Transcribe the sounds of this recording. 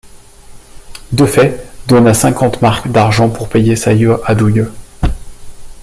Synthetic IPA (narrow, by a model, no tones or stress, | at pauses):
d̪əfɛd̪ɔnasɛ̃kɑ̃t̪maʁkd̪aʁʒɑ̃puʁpejesajøad̪ujø